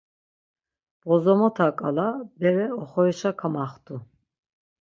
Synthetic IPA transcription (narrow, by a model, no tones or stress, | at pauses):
b̥ɔzɔmɔt̪ʰakʼalabɛɾɛɔχɔiʃakʰamaχt̪ʰʼu